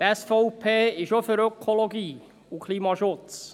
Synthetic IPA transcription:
t̪ɛsfɔʊpʰeːɪʃofəɾøkʰoloɡiː | ukʰliːmɑʃʊt͡s

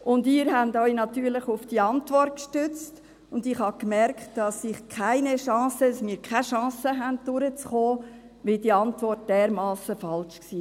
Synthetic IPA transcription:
ʔʊndɪːɾɦændɔʏnɑtyːɾləχʊfd̥iɑntʋɔrt̚kʃtʏt͡st | ʊndɪχhɑkmɛrktd̥ɑsɪχkʰæɪnəʃɑ̃ːsədɑsmiːɾkʰaʃɑ̃ːsəɦænt̚d̥ʊɾət͡sχoː | ʋidiːɑntʋɔrt̚d̥ɛːɾmɑːsəfɑlʃksiː

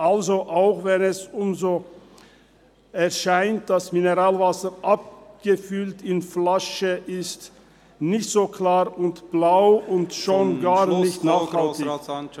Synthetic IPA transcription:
ʔalzoʔaʊxvɛnɛsʊmzoː | ɛɐʃaɪnt̚d̥asmɪnəʁaːlvasəɾʔap̚ɡ̥əfʏltɪnflaʃəʔɪst | nɪçtz̥oːkl̥aːʁʊntb̥laʊʊntʃoːnɡaːʁnɪçtnaːχhaltɪ

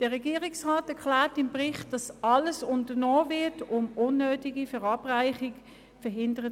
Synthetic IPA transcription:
d̥əʁɛɡiːʁɪksʁaːtɛɐklɛːtɪmbʁɪχt̚d̥ɑsɑləsʊntənoːvɪɐtʊmʊnːøːtiɡifɛʁɑːbʁaɪχɪɡ | fɛɐɦɪndəʁə

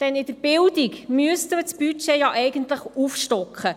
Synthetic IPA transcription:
d̥ɛnɪd̥̪əɾb̥ɪldikmyəst̪əmət͡sb̥yt͡ʃɛjɑʔɛjɡənt̪ləχufʃtɔkχə

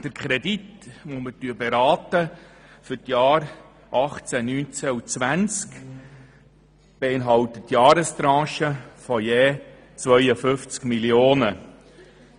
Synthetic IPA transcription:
d̥əɾkʰχɾɛditmomətyəbeɾɑːt̪əfʏɾtjɑːɾ | ʔɑχt͡sænyːnt͡sæut͡sʋænt͡sk | b̥eɪnɦɑwtətːjɑːɾəst̪ɾɑ̃ːʃəfɔjeː | t͡sʋœʏəfʏft͡skmilioːnə

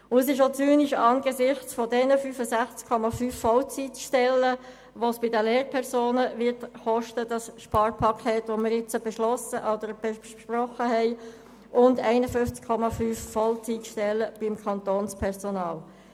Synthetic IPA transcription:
ʊəs̬ɪʃot͡syːniʃɑːnɡ̥əsɪχt͡sfodɛnəfyːfəsæχt͡skʰːɔmɑfyːfːɔlt͡sitʃtɛlːə | ʋosb̥ɪdəleːɾpʰɛɾsoːnəʋɪthɔʃtəd̥ɑsʃpɑːɾpʰɑkʰɛtʋomɪɾɪt͡səb̥ɛʃlɔsəʔɔd̥̪əɾb̥ɛʃprɔχəhɛɪ | ʔʊndɛɪnəfʏnft͡skʰːɔmɑfyːfːɔlt͡sitʃtɛlːəb̥imkʰɑnt̪oːnspʰɛʁsonɑːl

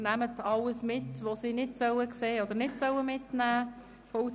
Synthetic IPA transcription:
næmətʰɑlːəsmɪtʋosinɪtsœwəkseːɔd̪əɾnɪtsœwəmɪtnæː | fou

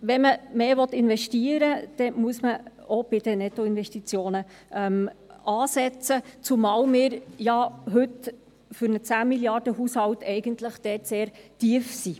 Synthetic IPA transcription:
ʋɛməmeːʋɔt̪ɪnvɛʃtiəɾəd̥ɛmuəsmə | ob̥ɪd̥ənɛtoɪnʋɛstit͡sjoːnə | ʔɛmʔɑːsɛt͡sət͡sumɑːlmɪːɾjɑɦɵt | fʏɾnət͡sæːmiljɑrd̥əɦuːshɑwtɛɪɡəntləχd̥ɛːtseːɾtiəfsi

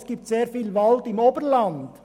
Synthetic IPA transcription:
sɡ̥iːp̚tseːɾfiːlvɑldɪmoːbəɾlɑnd̥

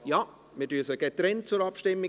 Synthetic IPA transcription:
jɑ | mɪdyəsəɡ̥etɾɛnt̚t͡sʊɾɑpʃtɪmːi

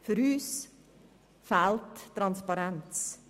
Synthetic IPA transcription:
fɾʉːs | fælt̪ːʰɾɑnspɑɾɛnt̪s

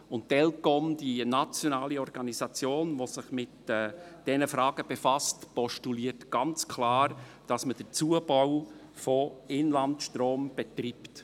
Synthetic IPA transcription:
ʊnttɛlkɔmdinɑt͡sjɔnaːliɔɾɡ̥ɑnizɑt͡sjoːnʋosɪχmɪtɛːd̥ɛnəfɾɑːɡ̥əb̥efɑstpɔʃtuliːəɾtɡ̥ɑnt͡skʰlɑːɾ | d̥ɑsməd̥ət͡suəbaʊ | fɔɪnlɑntʃtroːmb̥ɛt̪ript

